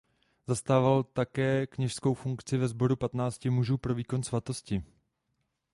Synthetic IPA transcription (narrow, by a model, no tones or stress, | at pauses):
zast̪aːvalt̪akɛːkɲɛʃsko̞wfuŋkt͡sɪvɛzbo̞ɾupat̪naːt͡scɪmuʒuːpɾo̞viːko̞nsvat̪o̞scɪ